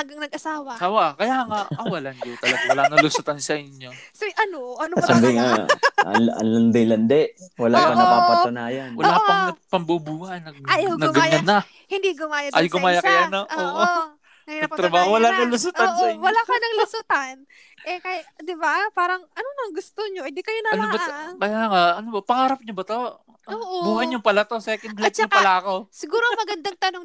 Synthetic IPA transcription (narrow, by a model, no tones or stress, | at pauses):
hɐɡɐŋnɐɡ̚ʔɐsaːwɐɐsaːwɐʔkɐjaːŋaɐwɐlɐnd͡ʒot̪ɐlɐɡawɐlanɐlʊsʊt̪ansɐʔɪɲjosojʔɐnoʔɐnosabɪŋaɐnʔɐ̰nlɐnd̪ɛlɐnd̪ɛʔwɐlaːpːɐŋɐpaːpɐt̪ʊnaːjɐnwɐlaːɐŋnɐpɐmbubuːhɐnɐɡ̚ajnɐɡɐɲanːɐ | hɪnd̪iɡʊmaːjɐʔajɡʊmaːjɐkɐjnoʔoːʔo | ɐnɐt̪ɾɐbaːhowɐlanɐlʊs̬ut̪ɐnʃawɐlakɐnɐŋlʊsʊt̪ɐn | ʔɛkajad̪ɪbapaːɾɐŋɐnoŋɐŋɡʊst̪oɲoʔɪnd̪ikɐjonɐɐnobɐt̪kɐjaŋaɐnobɐpɐŋaːɾɐp̚ɲobɐt̪o̞ | ɐoːʔobuːhɐjɲʊpɐlɐt̪o̞sɛːkɛnd̪lat͡ʃopɐlakosɪɡuːɾomɐɡɐnd̪aŋt̪ɐnoŋ